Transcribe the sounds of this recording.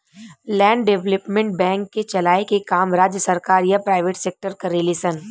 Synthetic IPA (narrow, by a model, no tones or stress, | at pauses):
lɛ̃ːɳɖɖeʋləpmẽɳʈ̚bɛ̃ːŋkːet͡ʃɐlaːekekaːmɾaːd͡ʒjəsɐɾkaːɾjapɾaːɪʋeːʈseːk̚ʈəɾkɐɾelisən